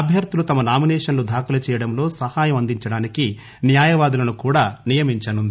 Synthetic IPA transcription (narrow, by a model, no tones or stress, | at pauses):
ɐbʱjɐɾt̪ulut̪ɐmɐnaːminɛːʂɐnlud̪ʱaːkulɐt͡ʃɛːjɐɽɐmlo̞ːsɐhaːjɐmɐnd̪iɲt͡ʃɐɽaːniki | njaːjɐʋaːd̪ulɐnukuːɽaːnijɐmiɲt͡ʃɐnund̪i